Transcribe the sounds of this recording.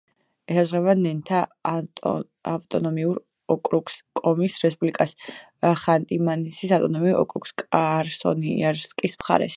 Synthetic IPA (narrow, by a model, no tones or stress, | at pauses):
ɛsazʁɛvanɛnt̪ʰa | avt̪ʼɔnɔmiuɾ | ɔkʼɾukskʼɔmisɾɛspʼublikʼas | χant̪ʼimanisisavt̪ʼɔnɔmiuɾɔ̰kʼɾukskʼaɾsɔ̰niaɾskʼismχa̰ɾɛ̰ʃ